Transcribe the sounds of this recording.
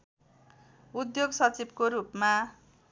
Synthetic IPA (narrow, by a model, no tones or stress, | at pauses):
ud̪joɡsʌt͡sibkoɾupma